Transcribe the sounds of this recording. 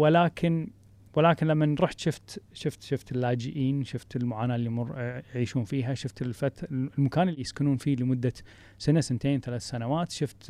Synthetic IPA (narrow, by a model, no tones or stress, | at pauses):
wɪlaːkʰɪn | wɪlaːkɪnlamːanɾˤuːħt̪ʃʊft̪ʃʊft̪ʃʊft̪ɪlːaːd͡ʒɪʔiːnʃʊft̪ɪlmʊʕaːnaːʔlːimʊrjʕiːʃuːnfiːɦaʃʊft̪ɪlfat̪lmakaːnɪlːijɪskɪnuːnfiːlɪmʊd̪ːa | sanasɪnt̪eːnθalaːθsanawaːt̪ʃʊft̪